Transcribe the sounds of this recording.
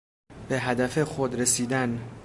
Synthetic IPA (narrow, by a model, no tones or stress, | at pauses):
b̥e̞ɦæd̪æfexod̪ɾesiːd̪æn